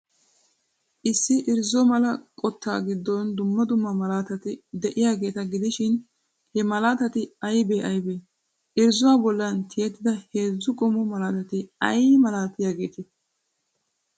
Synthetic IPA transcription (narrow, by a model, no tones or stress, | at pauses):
ʔɪsːɪʔɪɾzɔmɐlɐkʼɔt̪ːa̰ːɡɪd̪ːɔnd̪ʊmːɐd̪ʊmːɐmɐlaːt̪ɐt̪ɪd̪ɛʔɪjaːɡe̞ːt̪ɐɡɪd̪ɪʃɪn | hɛmɐlaːt̪ɐt̪ɪɐjbeːʔɐjbeː | ʔɪɾzʊwaːbɔlːɐnt̪ʰɪjɛt̪ːɪd̪ɐheːzːʊkʼɔmɔmɐlaːt̪ɐt̪ɪɐ̰jmɐlaːt̪ːɪjaːɡe̞ːt̪ɪ